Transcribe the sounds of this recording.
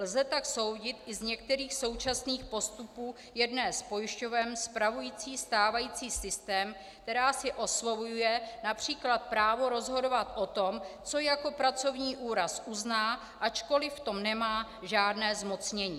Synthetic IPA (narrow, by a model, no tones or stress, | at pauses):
lzɛt̪akso̞wɟɪt̪ʔɪzɲɛk̚t̪ɛɾiːxso̞wt͡ʃasniːxpo̞st̪upuː | jɛdnɛːspo̞jɪʃcovɛːmspɾavujiːt͡siːst̪aːvajiːt͡siːsɪst̪ɛːmkkt̪ɛɾaːsɪʔo̞slo̞vujujɛnapr̝̥iːklat̪̚pɾaːvo̞ɾo̞zɦo̞do̞vat̪ʔo̞t̪o̞mt͡so̞jako̞pɾat͡so̞vɲiːʔuːɾasʔuznaː | ʔat͡ʃko̞lɪft̪o̞mnɛmaː | ʒaːdnɛːzmo̞t͡sɲɛɲiː